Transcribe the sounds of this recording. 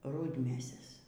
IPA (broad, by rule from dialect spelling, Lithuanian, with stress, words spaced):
ˈrʊdʲmʲeːsʲɛs